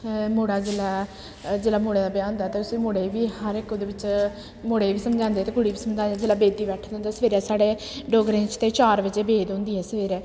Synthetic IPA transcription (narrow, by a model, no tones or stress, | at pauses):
moːɽaːd͡ʒelaː | d͡ʒelaːmoːɽeːd̪aːbjãːnd̪aːt̪eːʊsiːmoːɽeːʋiːhəɾɪkd̪eːʋɪt͡ʃ | moːɽeːʋiːsəmd͡ʒãːnd̪eːt̪eːɡʊɽiːʋiːsəmd͡ʒãːd͡ʒeːlaːbeːd̪iːbɛːʈʰd̪̃ːnd̪aːsəʋeːɾɛːsaːɽeː | ɖoːɡɾẽːt͡ʃt̪eːt͡ʃaːɾʋɪt͡ʃeːbeːd̪õːnd̪iːɦɛːsəʋeːɾɛː